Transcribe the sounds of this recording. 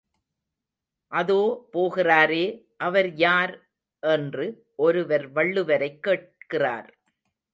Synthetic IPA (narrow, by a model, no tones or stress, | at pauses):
ʔɐðoːpoːɣɪraːɾeː | ʔɐʋɐɾjaːɾ | ʔɛndrɯ | ʔɔɾɯʋɐɾʋɐɭːɯʋɐɾɐɪkːeːʈ̚kɪra̰ːɾ